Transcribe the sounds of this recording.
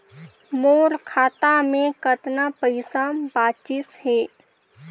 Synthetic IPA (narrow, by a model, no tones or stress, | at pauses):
moːɾkʰaːt̪amẽkət̪napəɪsabaːt͡ʃɪshɛː